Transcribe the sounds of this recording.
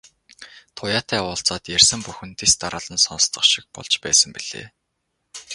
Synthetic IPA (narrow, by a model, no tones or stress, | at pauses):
t̪ʰʊjaːt̪ʰæːʊːɬt͡sɔːt̪jærsə̆mpuxɘ̆nt̪est̪aɾə̆ːɮə̆nsɔnst̪ə̆χʃi̥k̚pɔ̰ɮt͡ɕpæ̰ːsə̆mpiɮ̥ḛː